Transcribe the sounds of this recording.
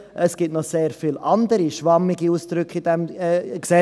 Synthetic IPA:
ʔəsɡ̥ɪtnɔχseːɾfiːlʔɑnd̪əɾiʃʋɑmːɪɡiusd̪̥ɾʏkχid̥̪ɛmːksɛ

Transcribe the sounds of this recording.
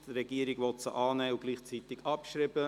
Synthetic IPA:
d̥ɾɛɡ̥iːəɾɪɡʋɔt̪sə̰ʔɑːnɛːuɡ̥liːχt͡sit̪ɪɡ̥ɑpʃɾibə

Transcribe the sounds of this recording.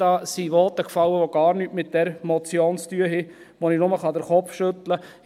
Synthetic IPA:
ɑːsiʋɔːt̪əkfɑlːəʋoɡ̥ɑːɾnyːtmɪt̪̚d̥ɛɾmɔt͡sjoːnstyəɦɪ | ʋoninʊməχɑd̪əɾχɔpfʃɵt̪lə

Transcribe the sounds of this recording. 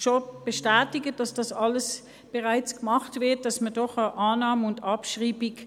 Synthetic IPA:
ʃob̥eʃtæːtɪɡəd̥ɑsd̥ɑsɑləs | b̥eʁaɪt͡skmɑχtvɪɐt̚d̥ɑsmədɔχəʔaːnɑːməʊndɑpʃʁiːbɪk

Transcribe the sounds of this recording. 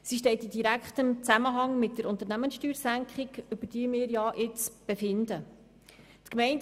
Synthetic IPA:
siʃ̬tɛɪtidiɾækχt̪ɪmt͡sæməɦɑŋmɪt̚d̥əɾʊnt̪əɾnæmənsʃtyːɾsæŋkχɪɡʏb̥əɾd̥iːmɪːɾjɑʔɪt͡sb̥efɪndə | t̪kmɛɪn

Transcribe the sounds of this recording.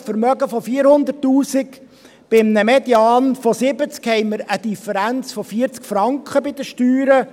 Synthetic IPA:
fəɾmœɡəfɔfiːəɾhʊnd̪ərtːuːsɪk | b̥ɪmnəmɛd̪jɑːnfɔsɪbət͡skhɛɪməɾəd̪ifəɾænt͡sfɔfiːɾt͡skfɾɑŋkχəbɪd̪əʃtyːɾə

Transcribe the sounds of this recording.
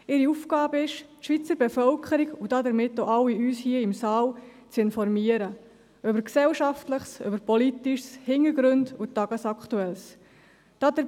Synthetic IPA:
ɪɾiufɡɑːbəɪʃtʃʋit͡səɾbɛfœlkʰəɾɪɡud̥ɑdəɾmɪtːoʔɑwːiyːshiəɪmsɑːl | t͡sɪnfɔɾmiːəɾə | ʔøbəɾksɛlʃɑftləχsʏ̰bəɾpɔlitiʃshɪŋəɾɡɾʉndutɑɡ̥əsɑktuɛls | d̥ɑdə

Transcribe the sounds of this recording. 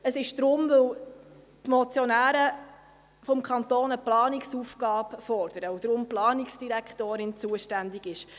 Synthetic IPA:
əsɪʃd̥ɾʊmvɵw | t̪mɔt͡sjɔnæːɾə | fɔmkʰɑnt̪oːnəplɑːnɪksufɡ̥ɑːpfɔɾd̥əɾəud̥̪ɾʊmplɑːnɪksd̥iɾækχtoːɾɪnt͡suəʃtænd̪ɪɡɪʃ

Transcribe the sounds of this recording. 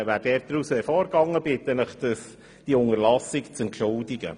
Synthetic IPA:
væːɾd̥ɛːɾt̚d̥̪ɾusɛfɔːɾɡɑŋːəb̥ɪt̪ːənəχd̥əs | d̥iʊŋəɾlɑsɪkt͡sɛntʃʊldɪɡə̰

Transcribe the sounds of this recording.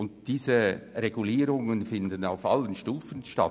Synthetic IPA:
ʊnd̥iːzəreɡ̥uliːɾʊŋənfɪndənaʊfʔa̰lənʃtuːfənʃta̰

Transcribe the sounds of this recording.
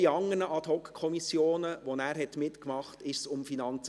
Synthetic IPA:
iɑŋənəʔɑt̪hɔkkʰːɔmisjoːnəʋɔnæːɾɦɛtmɪtkmɑχtɪʃsʊmfinɑnt͡s

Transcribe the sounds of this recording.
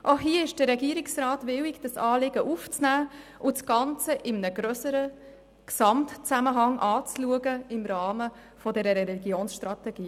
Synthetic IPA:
ʔoɦiəɪʃd̥əɾɛɡiəɾɪksrɑːtʋɪwikd̥əsɑːlɪɡəʔuft͡snæːʔʊt͡sɡ̥ɑnt͡səʔɪmənəɡ̥ɾœsəɾə | ksɑmtt͡sæməɦɑŋʔɑːt͡sluəɡəɪmrɑːmə | fɔdɛɾəɾɛɾɛliɡjoːnsʃtɾɑt̪ɛɡ̥iː

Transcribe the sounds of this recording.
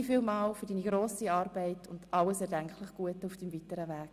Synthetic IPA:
fiːlmɑːlfʏɾdiːniɡɾoːsiɑːɾbɛɪtʰʊnd̥ʔɑləsɛːɾdæŋkχləχɡ̥uətəʊfd̥imvitəɾəvæːɡ̥̚

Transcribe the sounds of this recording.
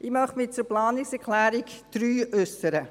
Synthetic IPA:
ʔɪmœχtmɪt͡sʊplɑːnɪksɛʁkʰlæːɾikd̪̥ɾyːʏsːəɾə

